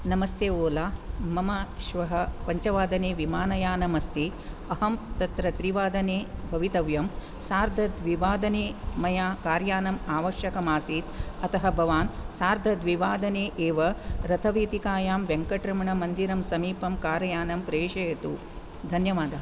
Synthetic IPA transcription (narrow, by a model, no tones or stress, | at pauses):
nɐmɐst̪eːoːlaːmɐmaːʃʋɐɦɐpɐɲt͡ʃɐʋaːd̪ɐneːʋimaːnɐjaːnɐmɐst̪i | ɐhɐmt̪ɐt̪ɾɐt̪ɾiʋaːd̪ɐneːbʱɐʋit̪ɐʋjɐm | saːɾd̪ʱɐd̪ʋiʋaːd̪ɐneːmɐjaːkaːɾjaːnɐmaːʋɐʃjɐkɐmaːsiːt̪ɐt̪ɐɦɐ̆bʱɐʋaːnsaːɾd̪ʱɐd̪ʋiʋaːd̪ɐneːʔeːʋɐɾɐt̪ʰɐʋiːt̪ikaːjaːmʋeŋkɐʈɾɐmɐɳɐmɐnd̪iɾɐmsɐmiːpɐmkaːɾɐjaːnɐmpɾeːʃɐjɐt̪u | d̪ʱɐnjɐʋaːd̪ɐɦɐ